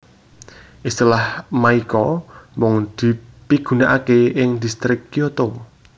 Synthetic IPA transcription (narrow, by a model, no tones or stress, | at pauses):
ʔist̪ilahmaikɔmɔŋd̪̥i̤piɡ̥ṳnaʔakeɪŋd̪ist̪ɾɪkːiot̪o